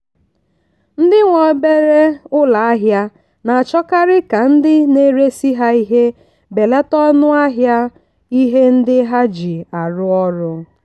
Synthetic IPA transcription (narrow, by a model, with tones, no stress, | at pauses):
n̩˦dɪ˦ŋʷɔ˨˦be˦ɾe˦ʊ˦la˨a˦ɦja˦ | na˨a˨t͡ʃɔ˦ka˦ɾɪ˦ka˨n̩˦dɪ˦ne˦ɾe˦si˦ɦa˦i˦ɦe˦ | be˨le˦tɔ˦nʊ˦a˦ɦja˦ | i˦ɦe˦n̩˦dɪ˦ɦa˦d͡ʒi˨a˨ɾʊ˦ɔ˦ɾʊ˦